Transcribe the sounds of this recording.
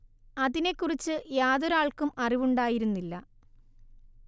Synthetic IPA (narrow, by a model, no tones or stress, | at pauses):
ɐðine̞kːurit͡ɕːɨjaːðoɾaːɭkumɐriʋuɳɖaːjiɾunːilːɐ